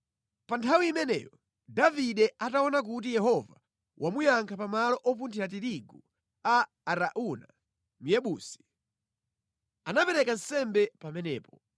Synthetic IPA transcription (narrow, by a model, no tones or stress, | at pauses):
pantʰawiːmɛnɛ̰jɔ | daviɗɛataɔnakut̬ijɛɦɔva | wʔamujaŋkʰapamalɔʔɔp̬untʰiɾat̬iɾiɡu | aː | ɾaʔuna | m̩jɛɓuːsi̥ | anapɛɾɛkansɛmbɛpamɛnɛːpɔ̥